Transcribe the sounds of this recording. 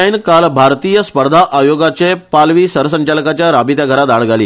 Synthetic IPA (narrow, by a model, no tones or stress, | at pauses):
inkalbʱaɾt̪iːjəspəɾd̪ʱaʔajoɡat͡ɕepalʋiːsəɾsəɲt͡ɕaləkat͡ɕjaɾabit̪jaɡʱəɾat̪aɭɡalḭː